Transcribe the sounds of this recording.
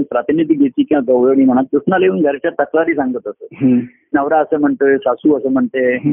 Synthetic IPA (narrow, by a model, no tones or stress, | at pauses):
npɾət̪inid̪ʱiːɡʱet̪iːkiaɡəʋjəɽim̤əɽ̃ak̪usnaleuːnɡʱəɾet͡ɕat̪əklaɾiːsãŋɡət̪əsəɦ | nəʋɾaəsəm̤əɳt̪esasuːəsəm̤əɳt̪e